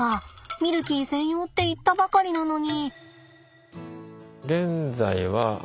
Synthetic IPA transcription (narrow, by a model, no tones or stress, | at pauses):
amʲiɾɯ̟kʲiːsẽ̞ɰ̃jo̞ːt̪ːe̞it̪ːabakaɾʲinano̞ɲ̟i | ɡẽ̞nd͡zaiβa